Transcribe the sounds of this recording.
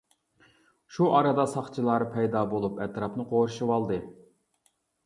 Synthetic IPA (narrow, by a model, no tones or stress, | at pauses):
ʃuʔɑɾɑd̪ɑsɑχt͡ʃʰilˠɑɾpʰɛjd̪ɑbolˠupɛt̪ɾɑpnɨqʰoɾʃɨwɑlˠd̪ɨ